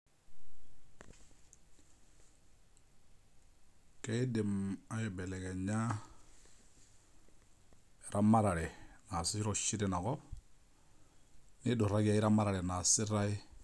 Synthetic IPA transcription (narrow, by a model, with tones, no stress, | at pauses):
ke˦dɪ˨ma˦jɔ˨bɛ˨lɛ˨kɛ˨ɲa˦˨ | ɾʔa˦ma˦ɾa˨ɾɛ˨na˨sɪ˦i˦ɾɔ˨ʃi˦ɾe˨na˨kɔ˦p̚ | nɪ˦do˨ɾa˦ɡa˦i˦ɾa˦ma˦ɾa˨ɾɛ˨na˨sɪ˦ɾa˦i˦